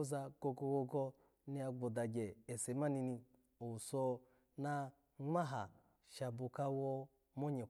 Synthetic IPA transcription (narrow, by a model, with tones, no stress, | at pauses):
za˧ɡ̥o˧ɡo˧ɡo˧ɡɔ˧ | ni˦a˧ɡ͡bo˨da˨ɡʲe˨e˨se˨˦ma˦ni˧ni˧ | o˨u˨so˧ | na˧ | ŋ͡ma˦ɦa˨ | ʃa˨bu˨ka˧wo˧ | mo˦ɲe˨